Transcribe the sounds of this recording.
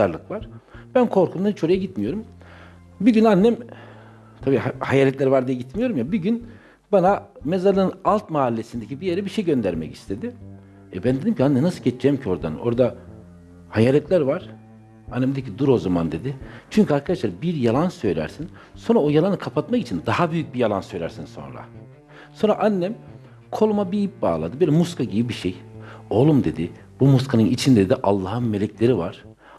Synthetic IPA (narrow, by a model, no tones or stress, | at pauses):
aɾlˠɯkvaɾ̥b̥ænkʰo̞ɾkʰumait͡ʃʰo̞ɾajaɟit̪mijo̞ɾum | biɟynanːæm | t̪ʰabiːhajaːlʲɛt̪lʲæɾvaɾd̪ijaɟit̪mijo̞ɾumjabiɟyn | baname̞zaɾlˠɯnɯnalˠt̪̚maːlʲːesind̪ecʰibijeɾɛbiʃejɟø̞nd̪æɾmɛ̰ci̥st̪ʰe̞d̪ɪ | ɛbænd̪e̞d̪imcʰianːɛmnasɯlɟet͡ʃd͡ʒɛmcʰio̞ɾd̪a̰no̞̰ɾd̪a | hajaːlʲɛt̪lʲæɾvaɾ̥ | anːɛmd̪ɛcʰid̪uɾo̞zamand̪e̞d̪ɪt͡ʃʰyɲcʰyaɾkʰad̪aʃlˠaɾbiɾjalˠansø̞jlʲæ̰ɾsin | so̞nɾaojalˠanɯkʰapʰat̪̚maki̥t͡ʃʰind̪ahabyjyc̚bijalˠansø̞jlʲæɾsinso̞̰nɾa̰ | so̞nɾaʔanːɛm | kʰo̞lˠumabiip̚ba̰ːlˠa̰d̪ɯbelʲɛmuskʰaɟibibiʃejo̞lˠumd̪e̞d̪ɪ | bumuskʰanɯnit͡ʃʰind̪ed̪ɛʔalˠːaːhɯnme̞lʲɛclʲe̞ɾivaɾ̥